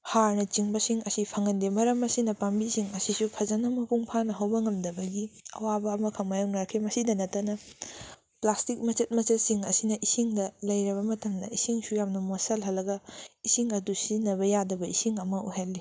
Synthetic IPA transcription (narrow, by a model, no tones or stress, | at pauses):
haɾnɐt͡ʃiŋbɐsiŋɐsipʰɐŋɐndemɐɾɐmɐsinɐpambisiŋɐsisupʰɐzɐnɐmɐpuŋpʰanɐɦɐwbɐŋɐmdɐbɐɡiɐ̰wabɐːmɐkʰɐŋmajoŋnaɾkʰemɐsidɐnɐtːɐnɐ | plastik̚mɐt͡ʃɐt̚mɐt͡ʃɐt̚siŋɐsinɐʔisiŋdɐlɐjɾɐβɐmɐtɐmdɐ̰isiŋsujamnɐmosɐlɦɐlːɐɡɐisiŋɐdusinɐbɐjadɐbɐisiŋɐmɐṵɦelːi